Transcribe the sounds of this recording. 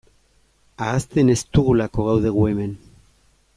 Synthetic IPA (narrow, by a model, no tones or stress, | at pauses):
aːst̪e̞ne̞st̪uɣ̞ulako̞ɣawðe̞ɣ̞ue̞me̞n